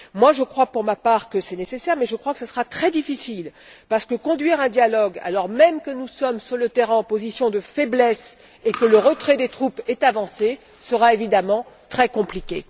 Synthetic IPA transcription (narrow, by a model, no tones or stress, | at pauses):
mwaʒəkχwapuʁmapaːʁkəsɛnesesɛʁmɛʒəkχwakə̥sasəʁat̪χɛd̪ifisil | paʁsə̥kəkɔ̃d̪ɥiʁɛ̃d̪jalɔɡa̰lɔʁmɛmkənusɔmsyʁlət̪ɛʁɛ̃ɑ̃pozisjɔ̃d̪əfɛblɛs | ekələʁət̪χɛd̪et̪χupɛt̪avɑ̃se | səʁaevid̪amɑ̃t̪χɛkɔ̃plikʲe